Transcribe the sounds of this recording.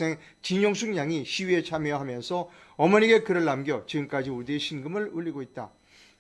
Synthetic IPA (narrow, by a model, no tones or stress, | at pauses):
eŋ | t͡ɕiɲoŋsʰuŋɲaŋiɕʰiɥie̞t͡ɕʰamjeɦamjʌnsʰʌʌmʌniɡe̞kɯɾɯɭːamɡjʌt͡ɕiɡɯmk͈ad͡ʑiodeɕʰinɡɯmɯɭuʎːiɡoit̚t͈a